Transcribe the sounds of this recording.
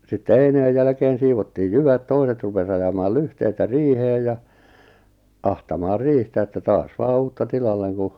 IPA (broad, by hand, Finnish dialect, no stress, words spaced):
sitːe eineːj jælæ̆keːn̞ siːʋotːiːj jyʋæt toiset rupes ɑjɑmɑːl lyhteitæ riːheːj jɑ ɑhtɑmɑːr riːhtæ etːæ tɑːs ʋɑː uːtːɑ tilɑlːeŋ ku